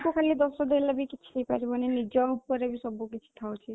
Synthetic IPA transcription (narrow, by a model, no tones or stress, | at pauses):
kukʰalid̪ɔsɔd̪ejlabikit͡ʃʰi̥depaɾibɔnenid͡ʒɔupɔɾebisɔbukit͡ʃʰi̥t̪ʰawt͡ʃʰi